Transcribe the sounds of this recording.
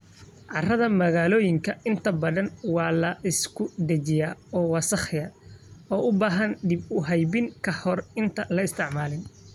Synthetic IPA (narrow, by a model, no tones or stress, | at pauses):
ʕɑrɐðɐmɐɣaːlɔːjɪŋkʰɐɪnt̪ʰɐbɐðɐnwɑːlɐʔɪskʰʊd̪ɐt͡ʃɪjaːɔːwɑsɐχɪjɐɔːʔʊbaːɦɐnd̪ɪbʊɦɛjbɪŋkʰɐhɔrɪnt̪ʰɐlɐɪst̪ʰɪʕmaːlɪn